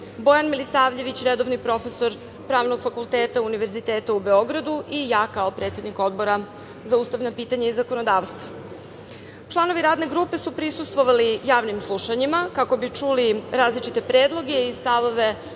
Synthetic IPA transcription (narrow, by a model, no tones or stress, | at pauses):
bo̞janmilisaːʋʎe̞ʋit͡ɕɾed̪oʋnipɾo̞fe̞so̞ɾ | pɾaːʋno̞ɡfakulˠt̪eːt̪auniʋe̞ɾzit̪eːt̪aube̞o̞ɡɾad̪uʔijaːkao̞pɾe̞t̪se̞d̪niko̞d̪̚bo̞ɾa | zauːst̪aʋnapiːt̪aɲaizako̞nod̪aːʋst̪va | t͡ʃlˠano̞ʋiɾaːd̪ne̞ɡɾuːpe̞supɾisust̪ʋo̞ʋalijaːʋnimslˠuʃaɲimakako̞bit͡ʂuliɾaːzlit͡ʃit̪e̞pɾeːd̪lˠo̞ɡe̞ist̪aʋo̞ʋe̞